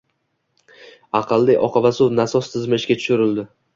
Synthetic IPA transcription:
ɑqʰɨlˠːiʔɒqʰɑvasʊwnasɒst̪ʰɪzmɪɪʃkʲat̪ʰʊ̥ʃʊɾɪld̪ɪ

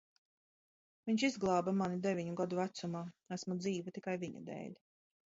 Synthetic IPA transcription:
viɲʃizɡlˠɑːbamanid̪evʲiɲuɡad̪uvæt̪sumaːæsmud̪ziːvat̪ikajviɲa̰d̪ɛ̰ːlʲ

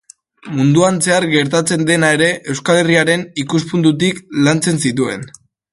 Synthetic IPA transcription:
mund̪uanse̞aɾɡe̞ɾt̪at͡se̞nd̪e̞nae̞ɾe̞ʔe̞wskale̞riaɾe̞nikuspund̪ut̪̬iklant͡se̞nsit̪ue̞̰n

